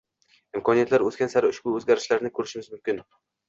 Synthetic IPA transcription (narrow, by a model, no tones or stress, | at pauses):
ɪmkʰɒnijat̪ʰlaɾɵt̪kʲansaɾʊʃb̥ʊɵzɡʲaɾɪʃlaɾnɪkʰɵɾɪʃɪmɪzmʊmkʲɪn